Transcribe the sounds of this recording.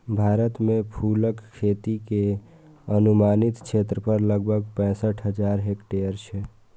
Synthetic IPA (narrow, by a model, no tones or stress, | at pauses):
bʱaɾət̪mẽpʰuləkʰːet̪ike | ənumanit̪kt͡ʃʰet̪ɾəpəɾləɡ̚bʱəɡ̚pɛ̃ːsəʈʰɦəd͡ʒaɾɦekʈeəɾt͡ʃʰe